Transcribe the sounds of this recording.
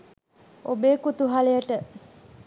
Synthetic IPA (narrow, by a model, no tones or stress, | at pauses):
obeːkut̪uɦalejəʈə